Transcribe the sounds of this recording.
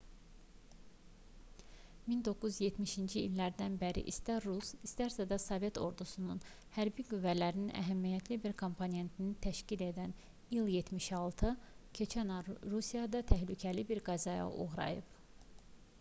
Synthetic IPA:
mind̪o̞kʰuzje̞t̪miʃind͡ʒiːlːæɾd̪ænbæɾḭʔist̪æɾusist̪æɾsæd̪ɑsove̞t̪ʰo̞ɾd̪usunun | hæɾbiɡyvːælæɾininʔæ̰ɦæmːijæt̪ʰlibiɾkʰo̞mpʰone̞nt̪ʰinit̪ʰæʃcile̞d̪æn | ilˠje̞t̪miʃɑlˠt̪ʰɯcʰe̞t͡ʃʰænɑɾusijɑd̪ɑt̪ʰæhlycʰælibiɾɡɑzɑjɑ̰ʔṵɣɾɑ̰jɯ̰p

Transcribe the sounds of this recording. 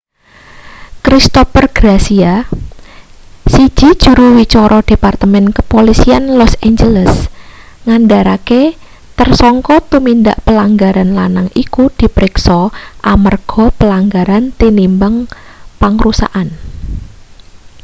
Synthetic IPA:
kɾist̪ɔpərɡ̥ɾasia | sid̥ʒ̥i̤d̥ʒ̥ṳɾuwit͡ʃɔɾʔɔd̥e̤part̪əmɛnkəpolisianlɔsend͡ʒələs | ŋandaɾake | t̪ərsɔŋkɔt̪umind̪aʔpəlaŋɡaɾanlanaŋikud̪̥i̤pɾɪksɔʔamərɡ̥ɔ̤pəlaŋɡaɾant̪inimbəŋpaŋɾusa̰ʔan

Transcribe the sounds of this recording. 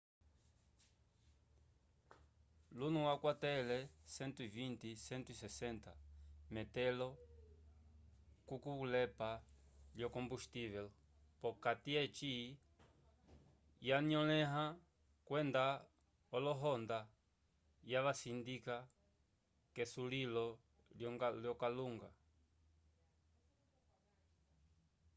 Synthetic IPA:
lunũwakwat̪ɛlɛsɛ̃nt̪uivint̪isɛnt̪uisɛsɛ̃nt̪amɛt̪ɛlɔ | kukuβulɛpaljɔkõmbust̪iβɛl | pɔkat̪iɛt͡ʃi | jaɲɔlɛɦã | kwɛnd̪a | ɔlɔɦɔnd̪a | jaβasind̪ika | kɛsulilɔ | ljljɔkaluŋɡa

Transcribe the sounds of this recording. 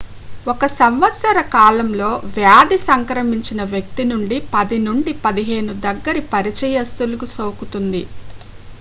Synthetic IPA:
okɐsɐmʋɐt̪sɐɾɐkaːlɐmlo̞ːʋjaːd̪isɐŋkɾɐmiɲt͡ʃinɐʋjɐk̚t̪inuɳɖipɐd̪inuɳɖipɐd̪iɦe̞ːnud̪ɐɡːɐɾipɐɾit͡ʃɛjɐst̪ulukusoːkut̪und̪i

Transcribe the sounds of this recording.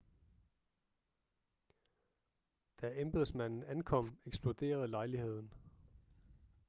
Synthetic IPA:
d̥æemb̥eðˠsmæn̰n̩ænkʰɒ̽m̰eɡ̥sb̥lod̥e̝̰ːɐð̩ˠlɑ̈ɪlihe̝ð̞̰ˠn̩

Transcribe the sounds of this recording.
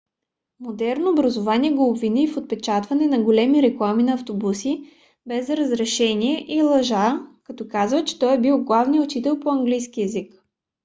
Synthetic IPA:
mod̪ɛɾnoːbɾɐzovaniɛɡoːbvinifot̪̚pɛt͡ʃat̪vɐnɛnɐɡolɛmiɾɛklˠaminɐːft̪obusi | bɛzɾəzɾɛʃɛniɛʔilˠɐʒakɐt̪ɔkazvət͡ʃɛ̥t̪ɔjɛbilˠɡlˠavniəʊt͡ʃit̪ɛlˠpoɐŋɡlijsk̟iɛzik

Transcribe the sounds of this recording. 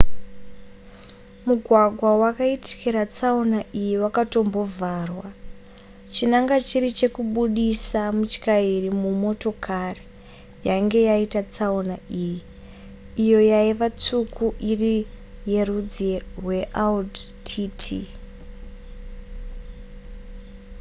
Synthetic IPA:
muɡʱwaɡʱwawakaiti̥kiɾat͡saunaʔijiwakato̞mbo̞vʱarwa | t͡ʃinaŋɡat͡ʃiɾit͡ʃe̞kuɓuɗisamut͡ʃi̥kairimumo̞to̞kʰari | jaŋɡe̞jaitat͡saunaʔijiː | jo̞jaiʋat͡sukuʔiri | je̞rud͡zerwe̞ʔaldtʰitʰi

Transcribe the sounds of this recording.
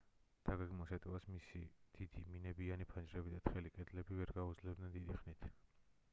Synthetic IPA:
d̪̥aɡaɡmɔsɛt̪ʼɛvasmisid̪̥id̪̥iminɛbianipʰand͡ʒʼɾɛbid̪at̪ʰχɛlikʼɛd̪lɛbivɛɾɡaud̪zlɛbd̪nɛnd̪id̪iχnit̪ʰ

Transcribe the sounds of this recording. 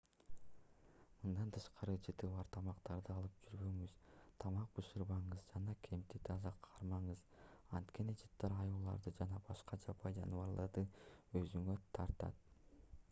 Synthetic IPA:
mɯnd̪ɑnt̪ʰɯʃqɑɾɯd͡ʒɯt̪ɯβɑɾt̪ʰɑmɑqt̪ɑɾd̪ɯɑlˠɯp̚d͡ʒyɾβø̞ŋyz̥t̪ʰɑmɑq̚bɯʃɯɾβɑɴɯzd͡ʒɑnɑkʲʰe̞mt̪it̪ʰɑzɑqʰɑɾmɑɴɯzɑnt̪ke̞nid͡ʒɯt̪ːɑɾɑjulˠɑ̰ɾd̪ɯd͡ʒɑnɑbɑʃqɑd͡ʒɑpɑjd͡ʒɑ̰nɯβɑɾlˠɑɾd̪ɯø̞zyŋøt̪ʰɑɾt̪ɑ̰t̪̚

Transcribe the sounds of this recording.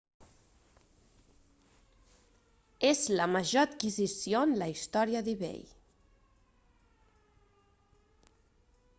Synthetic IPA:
ezləməʒoət̪kizisionləist̪ɔɾiəðiβḛj

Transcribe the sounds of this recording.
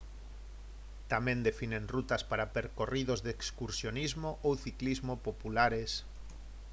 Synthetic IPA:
t̪amẽnd̪efinẽŋrut̪aspaɾapeɾkorið̞ozðekskuɾsjonizmoʔowθiklizmopopulaɾes

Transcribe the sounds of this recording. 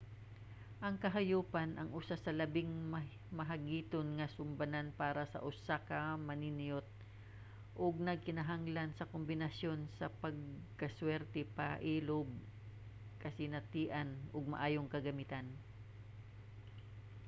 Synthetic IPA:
ʔɐŋkɐɦɐjuːpɐnʔɐŋʔʊsasɐlɐbɪŋm | mɐɦɐɡiːt̪onŋɐsʊmbɐnanpaːɾɐsɐ̰ʔʊsakɐmɐninɪjot̪̚ | ʔʊɡ̚nɐɡ̚kɪnɐɦaŋlansɐkombɪnɐsjo̞nsɐpɐɡ̚kɐswɛɾt̪ɛpa̰ʔiːlʊb̚ | kɐsɪnɐt̪iːʔɐnʔʊɡ̚mɐ̰ʔaːjoŋkɐɡɐmɪt̪an

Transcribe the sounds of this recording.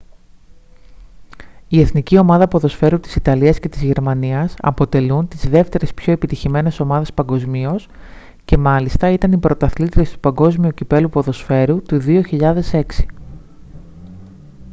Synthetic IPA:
ie̞θnicio̞mɐðɐpo̞ðo̞sfe̞ɾut̪i̥sit̪ɐliɐsce̞t̪izʝe̞ɾmɐniɐsɐ̰po̞t̪e̞lunt̪izðe̞ft̪e̞ɾe̞spço̞epit̪içime̞ne̞so̞mɐðe̞spɐŋɡo̞zmio̞s | ce̞mɐlist̪ɐit̪ɐnipɾo̞t̪ɐθlit̪it̪e̞st̪u̥pɐŋɡo̞zmiucipe̞lupo̞ðo̞sfe̞ɾut̪uðio̞çiʎɐðe̞se̞ksi̥

